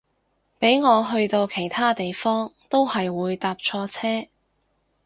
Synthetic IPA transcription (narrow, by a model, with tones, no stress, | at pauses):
pe˨˥jŋɔː˨˧ɦɵ˧ɥt̪o˧wkʰe˨˩jt̪ʰaː˥t̪e˨jfɔː˥ŋt̪o˥whɐ˨jwuː˨˧jt̪aː˧p̚t͡ʃʰɔː˧t͡sʰɛː˥